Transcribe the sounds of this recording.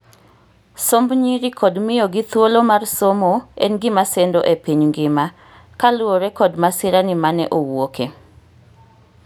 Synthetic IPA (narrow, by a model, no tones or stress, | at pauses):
sombɲiɾikʰɔdmɪjoɡɪt̪wolomarsomoɛ̰nɡɪmasɛndoʔepiɲŋɡɪma | kalʊoɾɛkɔdmasɪɾanɪmanɛ̰ʔowoke